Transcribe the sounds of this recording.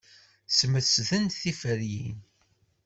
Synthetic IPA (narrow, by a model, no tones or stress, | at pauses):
sməsðənθifəɾjḭn